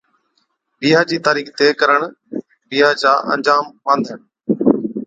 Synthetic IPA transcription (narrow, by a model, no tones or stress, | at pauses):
biːɦaːd͡ʑiːt̪aːɾiːxt̪eːkəɾəɽ̃ | biːɦaːd͡ʒaːʔə̰̃ɲd͡ʒaːmʋãːnd̪ʱəɳ